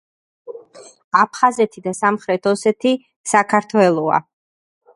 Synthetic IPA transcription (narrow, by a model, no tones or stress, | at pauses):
apʰχazɛt̪ʰid̪asamχɾɛt̪ʰɔsɛt̪ʰi | sakʰaɾt̪ʰwɛlˠɔa̰